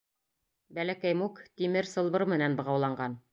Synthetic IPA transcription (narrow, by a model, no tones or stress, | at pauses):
bælækæjmukt̪imɘɾsɤ̆lˠbɤɾmɘ̆nænbɤ̆ʁɑwlˠɑɴɢɑn